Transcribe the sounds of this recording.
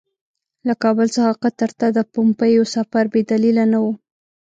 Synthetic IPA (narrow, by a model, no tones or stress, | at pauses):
lakɑbəlsəxaqat̪aɾt̪ad̪əpʊmpajosafaɾbed̪alilanawu